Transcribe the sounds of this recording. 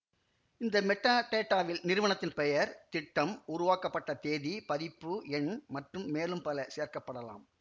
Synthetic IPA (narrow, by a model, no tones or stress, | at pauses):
ɪnd̪ɐmɛʈːaːʈeːʈːaːʋɪlnɪɾɯʋɐɳɐt̪ːɪnpɛjɐɾt̪ɪʈːɐmʊɾʊʋaːkɐpːɐʈːɐt̪eːðipɐðɪpːɯɛnmɐʈrɯmːeːlɯmpɐlɐseːɐɾkɐpːɐɽɐla̰ːm